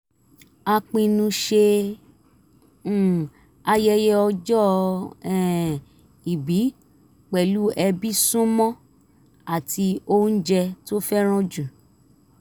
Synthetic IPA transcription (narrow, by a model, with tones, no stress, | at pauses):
a˧k͡pĩ˧nũ˧ʃe˧˦˨ | a˧jɛ˧jɛ˦ɔ˧d͡ʒɔ˦ɛ˨ | i˨bi˨˦ | k͡pɛ˨lu˨˦ʔɛ˧bi˦sũ˦mɔ̃˦ | a˦˨ti˧o˦n̩˦d͡ʒɛ˧to˦fɛ˦ɾ̃ɔ̃˦d͡ʒu˨